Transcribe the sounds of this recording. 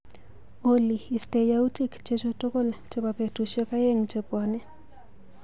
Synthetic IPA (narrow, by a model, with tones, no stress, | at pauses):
oliː˨ste˨jau˦tikt͡ʃe˦t͡ʃoto˦ko˦lt͡ʃepa˨pe˨tuʃɔ˦ka˦je˦ŋt͡ʃepɔ˨nɛ˦